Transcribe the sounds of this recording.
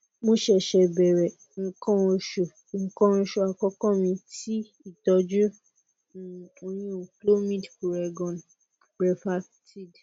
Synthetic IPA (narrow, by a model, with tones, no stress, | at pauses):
mõ˧ʃɛ˦˨ʃɛ˧˨bɛ˨ɾɛ˨ | ŋ̩˧˨kɔ̃˦o˧ʃo˨ | ŋ̩˨kɔ̃˦ñ̩˧ʃo˧a˨kɔ˦kɔ̃˦˨mĩ˧ti˦ | i˦˨tɔ˧d͡ʒu˦˨ | o˧nĩ˦o˨klo˦mĩ˦˨dku˨ɾɛ˨ɡɔ̃˨n | b̥ɾɛ˧fa˧ | ti˦˨d